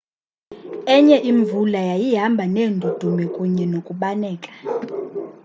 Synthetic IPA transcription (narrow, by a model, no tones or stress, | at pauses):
ɛɲɛʔiɱvulajajiɦambʱaneːndʱud̥ʱumɛkʼuɲɛnokʼuɓanɛːkʼḁ